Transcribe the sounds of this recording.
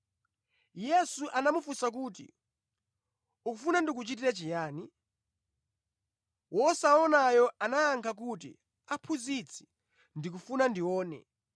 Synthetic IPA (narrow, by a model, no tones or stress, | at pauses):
jɛsuʔanamufusak̬utḭ | ukufunandik̬ut͡ʃitiɾat͡ʃijaːni | wɔsaɔnajɔanajaŋkʰak̬ut̬ḭ | apʰuzit͡sʰi̥ | ndik̬ufunandiwɔːnɛ̰